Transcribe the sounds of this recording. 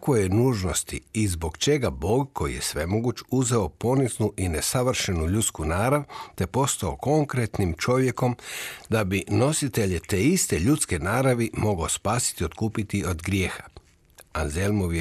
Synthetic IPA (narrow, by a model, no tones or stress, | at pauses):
akojenuːʒno̞st̪iizbo̞ɡt͡ʃe̞ɡabo̞ːɡkʰo̞jḭje̞sʋe̞mo̞ɡut͡ʃuzeopo̞niznuʔinesaʋr̩ʃe̞nuʎut̪skunaːɾaʋt̪e̞po̞st̪ao̞ko̞ŋkɾe̞t̪nimt͡ʃo̞ʋje̞ko̞md̪abino̞sit̪e̞ʎet̪e̞ist̪e̞ʎut̪ske̞naːɾaʋimo̞ɡaospaːsi̥t̪io̞t̪kuːpit̪iod̪ɡɾje̞ːxḁ | aze̞lmoʋje